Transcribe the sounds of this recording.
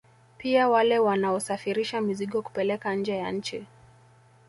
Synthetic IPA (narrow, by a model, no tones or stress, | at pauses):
piawalɛwanaɔsafiɾiʃamiziɠɔku̥pɛlɛkaɲ̩d͡ʒɛjaɲ̩t͡ʃi